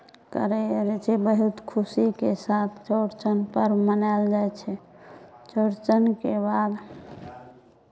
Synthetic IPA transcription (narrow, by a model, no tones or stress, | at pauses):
kə̰ɾɛɾɛt͡ʃʰɛbəɦut̪kʰusikesat̪ʰt͡ʃoɾt͡ʃənpəɾmənald͡ʒajt͡ʃʰɛ | t͡ʃəɾt͡ʃənkebad̪